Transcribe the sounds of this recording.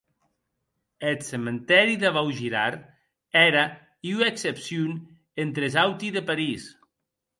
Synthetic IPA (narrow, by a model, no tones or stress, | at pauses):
et̪sement̪ɛɾiðaβawʒiɾaɾ | ɛɾa | iueksepsjun | ent̪ɾezawt̪iðəpaɾis